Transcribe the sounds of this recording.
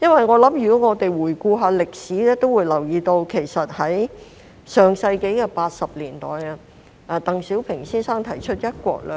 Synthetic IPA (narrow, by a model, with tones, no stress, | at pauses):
jɐ˥nwɐ˨jŋɔː˨˧lɐ˨˥mjyː˨˩kɔː˨˥ŋɔː˨˧t̪e˨jwuː˨˩jkuː˧ɦaː˧lɪ˨k̚siː˨˥ɛː˥t̪o˥wuː˨˧jlɐ˨˩wjiː˨˧t̪o˧wkʰe˨˩jsɐ˨t̚hɐ˨˥j | sœː˨˩ŋsɐ˧jke˨˥jkɛː˧paː˧t̚sɐ˨p̚liː˨˩nt̪ɔː˨jɐ˧ | aː˨˧t̪ɐ˨ŋsiː˨˥wpʰɪ˨˩ŋsiː˥nsaː˥ŋt̪ʰɐ˨˩jt͡ʃʰɵ˥t̚jɐ˥t̚kʷɔ̰ː˧k̚lɛ˧